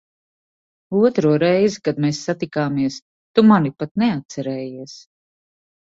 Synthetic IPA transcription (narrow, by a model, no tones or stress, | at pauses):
uɔt̪ɾuɔɾɛjzikad̪meːsːat̪ikaːmiɛs | t̪umanipat̪̚neat̪̚sɛɾɛːjiɛs